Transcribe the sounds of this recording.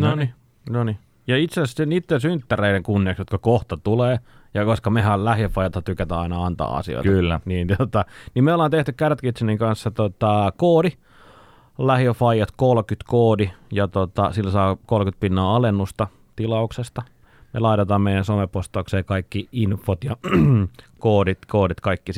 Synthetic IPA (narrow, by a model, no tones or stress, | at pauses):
noni | noni | jɑit̪sesenit̪ːensynt̪ːæreideŋkunːieːˑksjot̪kɑkoht̪ɑt̪uleːjɑkoskɑmehællæhjøfːɑjɑt̪hɑt̪ykæt̪æːɑinɑɑnt̪ɑ̰ːɑ̰sḭo̰k̪yniːnt̪ot̪ɑnimeolɑːnt̪eht̪ykkært̪kit̪seniŋkɑnsːɑt̪ot̪ɑkoːdi | læhjøfɑijɑt̪kolkyt̪koːdijɑt̪ot̪ɑsilːsɑːkolkyt̪̚pinːɑːɑlenːust̪ɑ | t̪ilɑuksest̪ɑ | mḛlɑit̪et̪ɑːmmeijænsomepost̪ɑukseːkɑikːiinfːot̪jɑ | koːdit̪koːdit̪kɑikːi